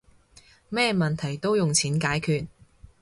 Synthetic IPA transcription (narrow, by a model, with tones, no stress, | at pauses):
mɛː˥˧mɐ˨nt̪ʰɐ˨˩jt̪o˥wjʊ˨ŋt͡sʰiː˨˥nkaː˨˥jkʰyː˧t̚